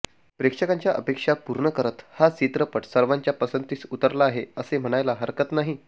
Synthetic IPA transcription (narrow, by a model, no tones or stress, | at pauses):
pɾekʂəkaɲt͡ɕjaʔəpekʂapuɾɳəkəɾət̪hat͡ɕit̪ɾəpəʈsəɾʋaɲt͡ɕjapəsənt̪iːt͡sut̪əɾlaːɦeəsem̤əɽ̃ajlaɦəɾkət̪naɦi